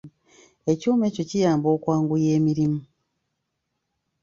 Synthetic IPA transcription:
e̞cuːme̞ːco̞cijaːmbo̞ːkwaːŋɡuje̞ːmiɾimu

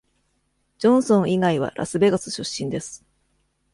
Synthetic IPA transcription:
d͡ʑõ̞ɰ̃sõ̞ɰ̃iɡaiβa̰ɾʔa̰sɨbe̞ɡasɨɕɨɕːĩnd̪e̞sɨ̥

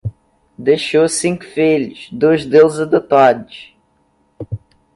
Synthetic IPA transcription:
d̪eʃowsĩŋkʊ̥feliʃd̪oʒd̪ewzɐd̪ot̪ad̪ɪʃ

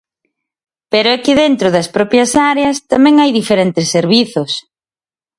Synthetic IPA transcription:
peɾʊɛkɪðent̪ɾʊðɐspɾɔpjɐsaɾeɐst̪amɛ̃ŋajðifeɾent̪ɪsːeɾβiθʊs

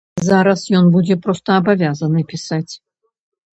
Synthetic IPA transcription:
zaɾɐsjɔnbud͡zʲɛpɾɔst̪ɐːbavʲazɐnɨpʲisat͡sʲ

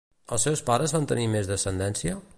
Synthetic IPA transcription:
əlˠsɛwspaɾəzβant̪ənimezðəsənd̪ɛnsiə

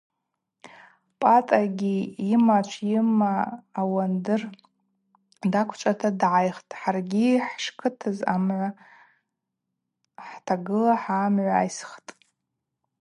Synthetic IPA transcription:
pʼatʼaɡʲiːmat͡ʃʷʰjɪmaːwandɨr | dakʷʰt͡ʃʷʼatʰadʕajχtʼħarɡʲiħʂkʰɨtʰɨzamʕʷa | ħtʰaɡɨlaħaːmʕʷaa̰jsχtʼ

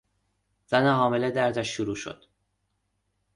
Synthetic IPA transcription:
z̥æneɦɒːmeled̪æɾd̪æʃːuɾuːʃo̰d̪̥

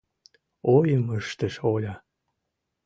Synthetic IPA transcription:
ojəməʃt̪əʃolʲɑ

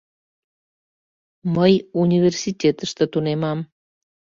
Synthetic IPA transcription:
məjunʲivʲersitʲet̪əʃt̪ĕt̪unemɑm

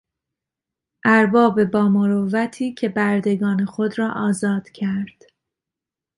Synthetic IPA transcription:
ʔæɾbɒːbe̞bɒːmoɾovæt̪ʰiːcʰe̞bæɾd̪e̞ɡɒːnexo̞d̪ɾɒːʔɒːzɒːd̪̥cʰæɾd̪̥

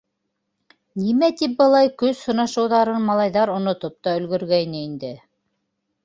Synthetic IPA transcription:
nimæt̪ip̚bɤ̆lˠɑjkɵzhŏnɑʃɤ̆wðɑɾɤnmɑlˠɑjðɑɾŏnŏt̪op̚t̪ɑɵ̆lɡɵ̆ɾɡæjnɘind̪ɘ

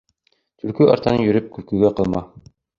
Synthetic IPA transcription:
t̪ʰɵ̆lkʉɑ̰ɾt̪ɑnɤjɵ̆ɾɵp̚kʉ̆lkɵ̆ɡæqɤ̆lˠmɑ

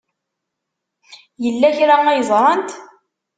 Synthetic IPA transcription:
jəlːæçɾæŋæjəzˤɾˤɑnt̪

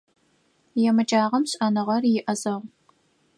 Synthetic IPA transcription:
jɛmɨt͡ʃʼaːʁɐmɕʼɐnɨʁɐrjɪʔɐzʼɐʁ

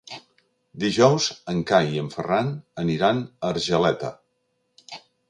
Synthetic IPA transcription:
d̪iʒɔwzəŋkajiəɱfəranəniɾanəɾʒəlɛt̪ə̰

